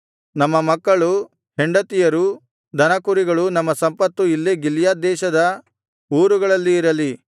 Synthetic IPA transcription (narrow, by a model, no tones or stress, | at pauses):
nɐmːɐmɐkːɐɭu | ɦeɳɖɐt̪ijɐɾu | d̪ʱɐnɐkuɾiɡɐɭunɐmːɐsɐmpɐt̪ːuilːeɡiljaːd̪ɛːʃɐd̪ɐ | uːɾuɡɐɭɐlːiːɾɐli